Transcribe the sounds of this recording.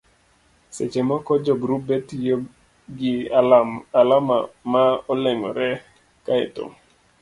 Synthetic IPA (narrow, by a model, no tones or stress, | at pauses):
set͡ʃemakɔd͡ʒɔɡɾup̚bɛtjo | ɡɪ | alamamaɔlɛŋɔ̰ɾɛ | kaɛ̰to̰ŋ